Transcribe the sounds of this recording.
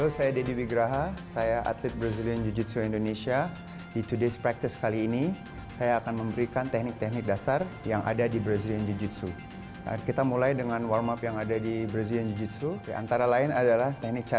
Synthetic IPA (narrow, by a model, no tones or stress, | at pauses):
osajadediwiɡɾaɦasajaʔa̰t̪ɪt̪̚bɾaziliand͡ʒud͡ʒut̪̚suindonesia | dit̪udespɾak̚t̪ɪskaliːni | sajaːkanməmbəɾikant̪ɛhnɪk̚t̪ɛhnɪk̚dasarjaŋʔa̰dadibɾaziliand͡ʒud͡ʒut̪̚su | kit̪amulajdəŋanwarmapjaŋadadibɾaziliand͡ʒud͡ʒut̪̚sudiʔa̰nt̪aɾalaɪnadalaht̪ɛhnɪk̚t͡ʃa